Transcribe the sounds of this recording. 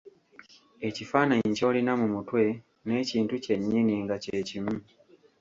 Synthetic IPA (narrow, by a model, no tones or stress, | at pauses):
ecifaːnaɲco̞ːlinamumutwe̞ | ne̞ːciːntuce̞ɲːiniŋɡacecimu